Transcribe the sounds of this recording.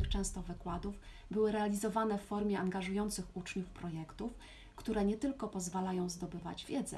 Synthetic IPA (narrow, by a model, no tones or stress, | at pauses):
xt͡ʂɛ̃w̃st̪ɔvɘkwad̪uf | bɘwɘɾɛalʲizɔvanɛfːɔɾmʲjɛʔaŋɡaʐujɔnt̪sɘxut͡ʂɲufpɾɔjɛkt̪uf | kt̪uɾɛɲɛt̪ɘlkɔpɔzvalajɔ̃w̃zd̪ɔbɘva̰d͡ʑvʲjɛd̪zɛ̰